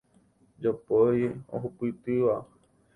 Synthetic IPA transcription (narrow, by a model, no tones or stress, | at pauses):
d͡ʒopojo̰ɦupɨt̪ɨʋa